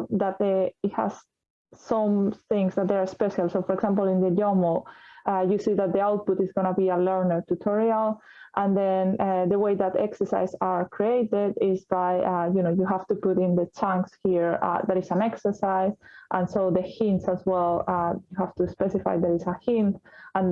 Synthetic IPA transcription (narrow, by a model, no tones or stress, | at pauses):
ðat̪̚ɛitha̰z̥ | sɔ̃mθɪ̃ŋzðat̪̚d̪ðə˞aspɛʃalˠsofɔɾɛkɡsãmpl̩ĩnd̪ədomoajusiðat̪̚d̪iawt̪̚putizɡonabialɜɹnə˞t̪ut̪ʰɔɹialˠ | ʔãnd̪ɛ̃nðəweɪðat̪ɛ̰ksə˞sa̰ɪzaɹkʰɾieɪtɪdɪzbajajunoʊjuɦaft̪upuɾɪ̃nd̪ət͡ʃʰãŋkshiɹa̰ðaɾɪsãnɛksə˞saɪzʔãnsoʊðəhɪ̃ntsazwɛlˠajuhaft̪uspɛsifa̰jðaɾɪsəhɪ̃nt̪ãn